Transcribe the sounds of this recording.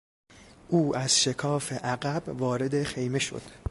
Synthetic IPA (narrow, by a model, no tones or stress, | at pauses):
ʔuːʔæz̥ʃe̞kʰɒːfe̞ʔæɡæbvɒːɾe̞d̪e̞χejme̞ʃo̞̰d̪̥